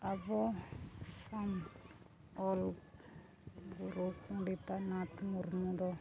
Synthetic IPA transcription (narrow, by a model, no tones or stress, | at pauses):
abɔ | sam | ɔl | ɡuɾukuɖitanat̪murmudɔ